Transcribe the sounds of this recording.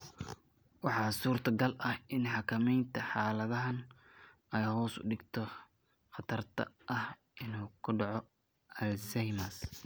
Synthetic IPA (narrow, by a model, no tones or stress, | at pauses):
wɑħɑːsuːrt̪ʰɐɡɐlʔɐhɪnħɑkʰɐmɛjnt̪ʰɐħɑːlɐðɐɦɐn | ɛjhɔːsʊ̰ɖɪɡt̪ʰɔ | χɑt̪ʰɐrt̪ʰɐ̰ʔɐh | ʔɪnuːkʰʊɖɑʕɔ | ɐlsɛjmas